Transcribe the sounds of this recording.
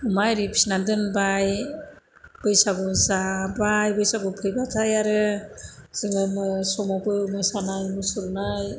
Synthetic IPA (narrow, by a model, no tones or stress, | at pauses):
umajɾipʰi̥snandɯnbaj | b̥ɯjsabɯzabajbɯjsabɯpʰɯjbatʰajaɾɯ | z̥ɯŋɯmɯsɔmakɯjumɯsanajmɯsuɾnaj